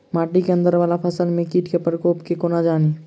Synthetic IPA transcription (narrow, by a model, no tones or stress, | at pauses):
maːʈikeə̃nd̪əɾʋaːlapʰəsəlmẽkiːʈʰkepɾəkoːpkekonad͡ʒaːni